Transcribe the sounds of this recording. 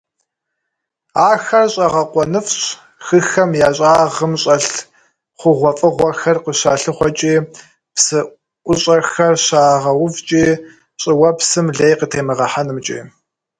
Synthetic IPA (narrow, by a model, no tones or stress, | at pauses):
aːxɐrɕʼɐʁɐqʷɔnɨfɕ | xɨxɐmjaːɕʼaːʁəmɕʼɐɬ | χʷʊʁʷɔfʼɨʁʷɐxɐrqəɕaːɬɨχʷɔt͡ʃʼiː | psɨ | ʔʷʊɕʼɐxɐrɕaːʁɐwʊvt͡ʃʼiː | ɕʼɪwɐpsɨmɮejqətʰeːmɨʁɐħanɨmt͡ʃʼḭː